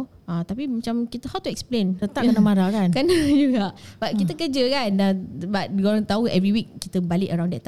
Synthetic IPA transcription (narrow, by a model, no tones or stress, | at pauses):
at̪apimat͡ʃamkit̪əhawt̪uɛksplẽnt̪ət̪aʔkkənamaɾakankanajuɡaʔb̥at̚kit̪əkəd͡ʒəkanabat̚ɡoɾaŋt̪auʔɛviwik̚ːit̪əbaliʔəɾãw̃ndɛt̪t̪ː